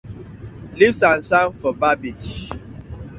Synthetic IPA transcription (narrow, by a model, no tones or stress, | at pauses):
livsan̩sanfɔbabid͡ʒ